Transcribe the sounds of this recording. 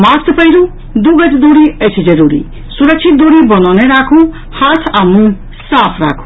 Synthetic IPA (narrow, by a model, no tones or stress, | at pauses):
mast̪pəjɾu | d̪uɡʌd͡zd̪uɾiet͡ʃʰid͡ʒəɾuɾḭ | suɾək̚t͡ʃʰit̪̚d̪uɾibʌnawneɾakʰũ | hat̪ʰamũ | sapʰɾa̰kʰu̥